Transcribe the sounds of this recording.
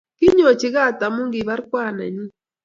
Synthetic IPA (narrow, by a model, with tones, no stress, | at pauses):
kɪ˦ɲo˨t͡ʃi˨ɣa˦˨t̪a˨mʊ˦ŋɡi˨βa˦ɾkwaː˦˨na̰˨ɲi˦